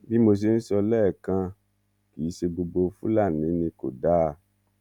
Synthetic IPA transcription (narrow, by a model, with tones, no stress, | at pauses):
bi˦mo˧s̬e˧n̩˦sɔ˧lɛː˦˨kã˧ | ki˨˦ʃe˧ɡ͡bo˧ɡ͡bo˧fṵ̃˦la˦˨nĩ˨˦nĩ˧ko̰˨da˦˨